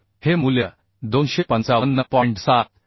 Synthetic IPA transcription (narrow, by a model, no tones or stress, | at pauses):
hemuljə | d̪onɕepənt͡saʋənːəpɔiɳʈsat̪̚